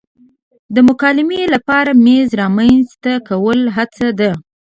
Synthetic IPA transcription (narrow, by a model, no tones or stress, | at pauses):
d̪əmʊkɑlɪmelapɑɾamezɾɑmanzt̪akawəlɦat͡sad̪a